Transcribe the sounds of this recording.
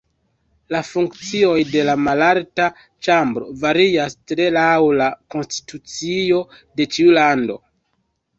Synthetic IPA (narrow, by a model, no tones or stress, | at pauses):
lafuŋkt͡sio̞jde̞lamalalta | t͡ʃambɾo̞̰vaɾiastɾe̞lawlako̞nsti̥tut͡sio̞ | de̞t͡ʃiulando̞̰